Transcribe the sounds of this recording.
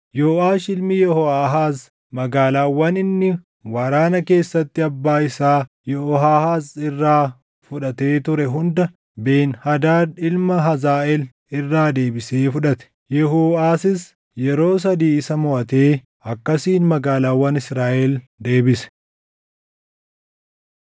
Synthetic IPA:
joːʔaːʃɪlmɪjɛhɔaːɦaːz | mɐɡaːlaːwːɐnɪnːɪ | wɐɾaːnɐke̞ːsːɐt̪ːɪɐbːaːɪsaː | jɛɔɦaːhaːzɪrːaː | fʊᶑɐt̪e̞ːt̪ʊɾɛɦʊnd̪ɐ | be̞ːnhɐd̪aːᶑɪlmɐɦɐzaːʔɛl | ɪrːaːd̪e̞ːbɪse̞ːfʊᶑɐt̪ɛ̥ | jɛhuːaːsɪs | jɛɾo̞ːs̬ɐd̪iːɪsɐmɔʔɐt̪e̞ː | ɐkːɐsiːnmɐɡaːlaːwːɐnɪsɾaːʔɛld̪e̞ːbɪsɛ̥

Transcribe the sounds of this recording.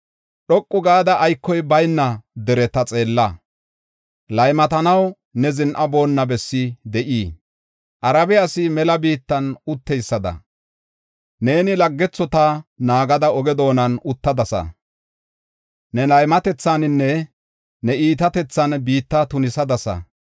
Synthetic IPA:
ɗɔkʼːʊɡaːd̪ɐʔːjkːɔjbɐjnːɐd̪ɛɾɛt̪ɐt͡sʼe̞ːlːɐ | lɐjmɐt̪ɐnɐw | nɛzɪnʔɐbo̞ːnːɐbɛsːɪd̪ɛʔiː | ʔɐɾɐbɛɐsɪmɛlɐbiːt̪ːɐnʊt̪ːɛjsːɐd̪ɐ̰ | ne̞ːnɪlɐɡːɛt͡sːɔt̪ɐnaːɡɐd̪ɐɔɡɛd̪o̞ːnɐnʊt̪ːɐd̪ɐsɐ̰ | nɛlɐjmɐt̪ɛt͡sːɐnɪnːɛ | nɛiːt̪ɐt̪ɛt͡sːɐnbiːt̪ːɐt̪ʊnɪsɐd̪ɐsɐ̰

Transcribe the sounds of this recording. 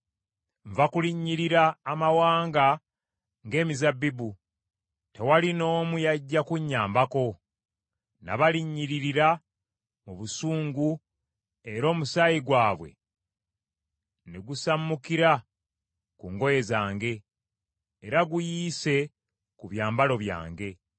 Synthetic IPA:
ɱvakuliɲːiɾiɾaːmawaːŋɡa | ŋɡe̞ːmizabibu | te̞walino̞ːmujaɟːakuɲːaːmbako̞ | na̰βaliɲːiɾiɾiɾa | muβusuːŋɡu | e̞ɾo̞ːmusajiɡwaːβwe̞̰ | neɡusamːukiɾa | kuŋɡo̞je̞zaːŋɡe̞ː | ɾaɡujiːse̞ | kuβjaːmbalo̞βja̰ːŋɡe̞

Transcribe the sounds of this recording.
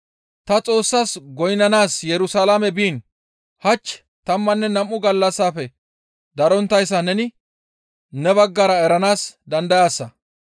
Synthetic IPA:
t̪ɐt͡sʼo̞ːsːaːsɡɔjnɐnaːsjɛɾʊsaːlamɛbiːn | hɐt͡ʃː | t̪ɐmːɐnːɛnɐmːʊɡɐlːɐsːaːfɛ | d̪ɐɾɔnt̪ːɐjsːɐnɛnɪ | nɛbɐɡːɐɾɐɛɾɐnaːsd̪ɐnd̪ɐjaːsːɐ

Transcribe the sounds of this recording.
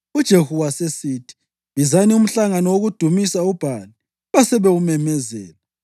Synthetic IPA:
ud̥ʒ̥ʱehuwasesiːtʰi̥ | βizanium̩ɬaŋanɔwoɣud̥ʱumisaub̥ʱali | βasɛβɛumɛmɛzɛːlɛ

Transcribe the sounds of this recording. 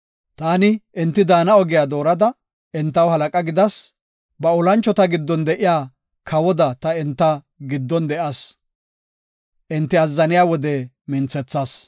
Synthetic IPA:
t̪aːnɪʔɪnt̪ːɪd̪aːnɐɔɡɪjaːd̪o̞ːɾɐd̪ɐ | ɪnt̪ːɐwhɐlɐkʼɐɡɪd̪ɐs | bɐʊlɐnt͡ʃːɔt̪ɐɡɪd̪ːɔnd̪ɛʔɪjaː | kʰɐwɔd̪ɐt̪ɐɪnt̪ːɐ | ɡɪd̪ːɔnd̪ɛʔɐs | ʔɪnt̪ːɪɐzːɐnɪjaːwɔd̪ɛ | mɪnt͡sːɛt͡sːaːs

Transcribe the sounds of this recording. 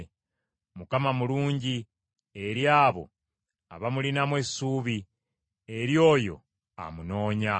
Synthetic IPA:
mukamamuluːɲɟi | e̞ɾjaːβo̞̰ | aβamulinamwe̞suːβi | e̞ɾjo̞ːjo̞̰ | a̰muno̞ːɲa

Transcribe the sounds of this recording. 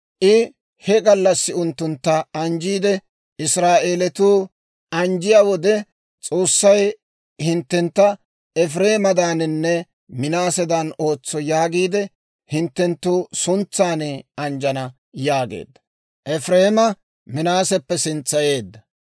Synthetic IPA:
ʔɪ | hɛɡɐlːɐsːɪʊnt̪ːʊnt̪ːɐɐnd͡ʒiːd̪ɛ | ɪsɾaːʔeːlɛt̪uː | ʔɐnd͡ʒɪjaːwɔd̪ɛ | t͡sʼo̞ːsːɐj | hɪnt̪ːɛnt̪ːɐ | ɛf̬ɾe̞ːmɐd̪aːnɪnːɛ | mɪnaːsɛd̪ɐno̞ːt͡sːɔjaːɡiːd̪ɛ | hɪnt̪ːɛnt̪ːuːsʊnt͡sːaːneɐnd͡ʒɐnɐ | jaːɡḛːd̪ːɐ̥ | ʔɛfɾe̞ːmɐ | mɪnaːsɛpːɛsɪnt͡sːɐje̞ːd̪ːɐ

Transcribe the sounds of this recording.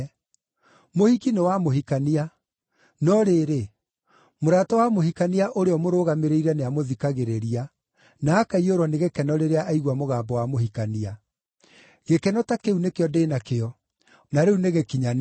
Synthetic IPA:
mohikinewamoɦikania | nɔɾeːɾe | moɾaːtɔwamoɦikaniaʔoɾeɔmoɾoːɣameɾeiɾɛneamoðikaɣeɾeɾia | naːkaioɾwɔneɣekɛnɔɾeɾeaʔaiɣwamoɣaːbɔwamohikania | ɣekɛnɔtakeunekeɔdeːnakeɔ | naɾeuneɣekiɲan

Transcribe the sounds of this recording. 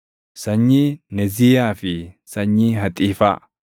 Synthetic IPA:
sɐɲːinɛziːjaːfɪsɐɲːiɦɐt̪ʼiːfa̰ː

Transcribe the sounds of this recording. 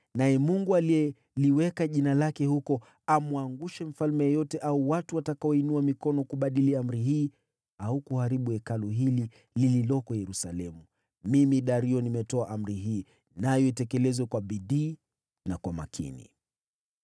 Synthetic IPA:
najɛmuŋɡualiɛ | liwɛkaʄinalakɛhukɔ | amuaŋɡuʃɛm̩falmɛjɔjɔtɛʔauwatuwatakaɔinuamikɔnɔkuɓaɗiliam̩ɾiɦiː | aukuhaɾiɓuɛkaluɦili | lililɔkɔjɛɾusa̰lɛmu | mimiɗaɾiɔnimɛtɔaʔam̩ɾiɦiː | najɔitɛkɛlɛzwɛkwaɓiɗiː | nakwama̰kʰḭnḭ

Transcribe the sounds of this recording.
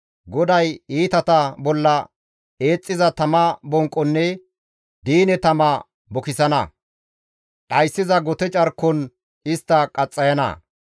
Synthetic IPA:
ɡɔd̪ɐjiːt̪ɐt̪ɐbɔlːɐ | e̞ːt͡sʼːɪzɐt̪ɐmɐbɔŋkʼːɔnːɛ | d̪iːnɛt̪ɐmɐ | bɔkɪsɐnɐ̰ | kʼɐjsːɪzɐɡɔt̪ɛt͡ʃʼɐɾkːɔn | ɪst̪ːɐkʼɐt͡sʼːɐjɐnɐ̰

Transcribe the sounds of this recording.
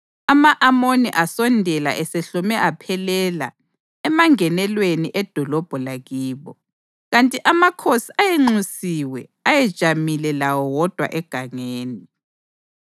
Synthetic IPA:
amaʔamonḭʔasɔndʱɛla̰ʔɛseɬɔmɛʔapʰɛlɛla̰ | ɛmaŋɛnɛlweniʔɛd̥ʱɔlɔb̥ʱɔlaɣiːβɔ | ɣantʼiʔamakʰosiajeŋ͡ǀusiwɛajɛd̥ʒ̥ʱamilɛlawɔwɔd̥ʱwa̰ʔɛɡ̥ʱaŋeːni

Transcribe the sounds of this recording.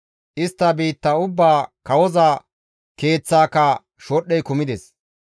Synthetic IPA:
ʔɪst̪ːɐbiːt̪ːɐʊbːaːkɐwɔzaː | ke̞ːt͡sːaːkːɐ | ʃɔɗːɛjkʊmɪd̪ɛs

